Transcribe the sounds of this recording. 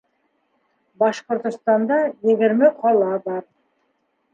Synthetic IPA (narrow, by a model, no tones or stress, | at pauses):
bɑʃqŏɾt̪ust̪ɑnd̪ɑjeɡɪɾmeqʰɑlˠɑbɑɾ